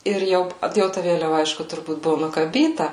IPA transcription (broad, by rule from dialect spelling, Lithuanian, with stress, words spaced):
ˈɪr jɛʊ p ˈjɛʊ tɐ ˈʋʲeːlʲɛʋɐ ˈɐɪʃkʊ tʊrˈbuːt ˈbʊʋoː nʊkɐˈbʲiːtɐ